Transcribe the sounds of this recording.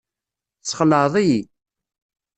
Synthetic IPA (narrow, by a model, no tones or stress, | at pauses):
t͡sːχəlːəʕðˤiji